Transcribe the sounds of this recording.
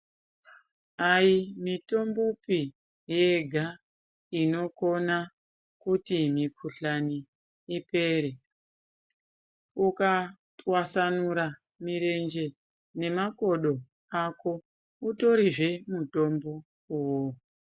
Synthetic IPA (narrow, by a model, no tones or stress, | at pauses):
aimito̞mbopi | jeɡʱa | ino̞ko̞na | kutimikʰuɬaniː | pe̞ːɾe | ukatwasanuɾa | miɾe̞nd͡ʒe̞ | ne̞mako̞ɗo̞ | ako̞ | uto̞ɾiʐe̞muto̞mbo̞ | uwo